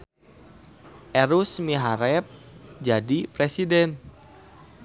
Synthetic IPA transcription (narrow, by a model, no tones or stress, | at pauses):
ʔɛɾusmiɦaɾɛp̚d͡ʒadipɾesidɛn